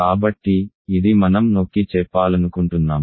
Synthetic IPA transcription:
aːbɐʈːiː | d̪imɐnɐmnoːkːit͡ʃɛpːaːlɐnukuɳʈunːaːm

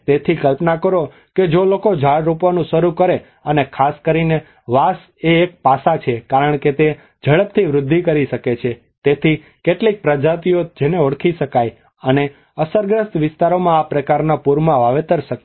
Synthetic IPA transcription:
t̪et̪ʰikəlpnakəɾo | ked͡ʒolokod͡ʒʱaɽɾupʋanũʃəɾukəɾe | ənekʰaskəɾine | ʋas | eːk̚pasat͡ʃʰekaɾəɳket̪e | d͡ʒəɭəp̚t̪ʰiʋɾʊd̪ʱːikəɾiʃəket͡ʃʰe | t̪et̪ʰi | keʈlik̚pɾəd͡ʒat̪̬iod͡ʒeneoɽkʰiʃəkaj | əne | əsəɾɡɾəst̪ʋɪst̪aɾomãapɾəkaɾnapuɾmãʋaʋet̪əɾʃək

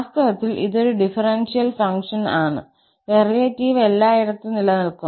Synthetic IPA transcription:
sk̪ɐʋɐt̪ːilʔḭðo̞ɾuɖifɐrensijɐlfɐŋkʂɐnaːɳɨ̰ | erijɐtːiːʋe̞lːaːjiɾɐt̪ːɨnilɐnɐlku

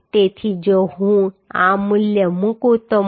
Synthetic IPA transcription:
t̪et̪ʰid͡ʒoɦũãmuljəmũkũt̪o

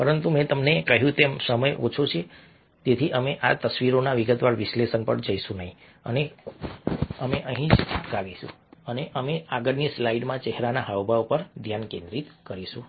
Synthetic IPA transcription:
pəɾənt̪umɛ̃t̪əmnekəɦjũt̪emsəməjʔot͡ʃʰot͡ʃʰe | t̪et̪ʰiʔəmeʔat̪əsʋiɾonaʋiɡət̪ʋaɭʋɪslesənpə̰ɳd͡ʒəiʃũnəɦĩ | ə̰ne | əmeʔəɦĩd͡ʒkaʋiʃṵ̃ | əneʔəmeaɡəɾnislaiɖmãt͡ʃɛɦɾanaɦaʋbʱaʋupəɾd̪ʱjankẽnd̪ɾit̪kəɾiʃũ

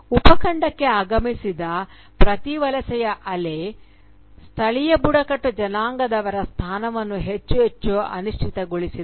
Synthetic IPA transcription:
upɐkɐɳɖɐkːe̞aːɡɐmisid̪ɐ | pɾɐt̪iʋɐlɐsɛjɐʔɐle | st̪ʰɐɭijɐbuɽɐkɐʈːud͡ʒɐnaːŋɡɐd̪ɐʋɐɾɐst̪ʰaːnɐʋɐnːuɦet͡ʃːuɦet͡ʃːuɐ̰nuʂʈʰit̪ɐɡoɭisi

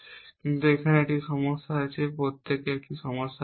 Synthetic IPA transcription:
kint̪uekʰaneekʈiʃɔmoʃːaojt͡ɕʰepɾot̪ʰːekek̚ʈiʃɔmoʃːa

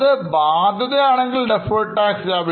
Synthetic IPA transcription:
ðɨbaːd̪ʱɐðɐjaːɳeŋɡilɖefɐjʈʈːaːksjaːʋi

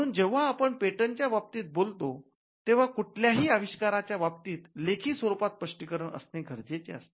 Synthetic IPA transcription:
əɽ̃uːnd͡ʑeʋ̤aːpəɳpeʈənt͡ɕjaʋap̚t̪iːt̪̚bolt̪o | t̪eʋ̤akuʈʰljaɦiːaʋiɕkaɾat͡ɕjaʋap̚t̪iːt̪lekʰiːsʋəɾupat̪̚pəʂʈikəɾəɳə̰sneɡʱəɾd͡zet͡ɕḛa̰st̪e̥

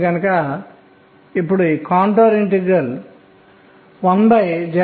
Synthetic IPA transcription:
ɡɐnɐkɐ | ipːuɽuikaːɳʈoːɾiɳʈeɡɾɐl | ond̪ɐjd͡ʒɛ

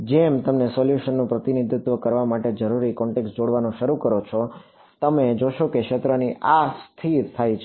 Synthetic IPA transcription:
d͡ʒemt̪əmnesɔljuʃənːũpɾət̪inid̪ʱjut̪ʋəkəɾʋamaʈed͡ʒəɾuɾikɔɳʈeksʈd͡ʒoɽʋanõʃəɾukəɾot͡ʃʰɔ | t̪əmed͡ʒoʃokekʃet̪ɾəniʔast̪ʰiɾt̪ʰajt͡ʃʰ

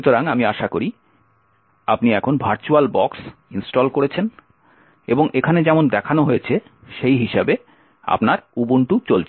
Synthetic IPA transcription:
ut̪oɾaŋamiaʃakoɾi | apniɛkʰonbʱaɾt͡ɕualbɔksinsʈɔlkoɾet͡ɕʰen | eboŋʔekʰaned͡ʑɛmond̪ɛkʰanoɦojet͡ɕʰe | ʃejɦiʃabe | a̰pnaɾubuɳʈut͡ɕolt͡ɕʰe

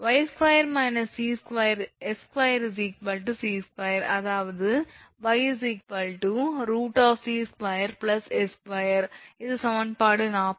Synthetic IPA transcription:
ʋɐɪskʋɐjɐɾmɐɪnɐsiːskʋɐjɐɾɛskʋɐjɐɾs̬iːkʋɐlʈusiːskʋɐjɐɾɐðaːʋɐðɯʋɐɪs̬iːkʋɐlʈuɾuːʈaːfsiːskʋɐjɐɾplɐsɛskʋɐjɐɾɪðɯsɐʋɐnpaːɽɯnaːp

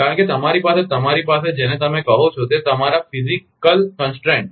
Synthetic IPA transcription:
kaɾə̃ɳket̪əmaɾipaset̪əmaɾipas̬ed͡ʒenet̪əmekəɦot͡ʃʰot̪et̪əmaɾafizikəlkənsʈɾẽɳ

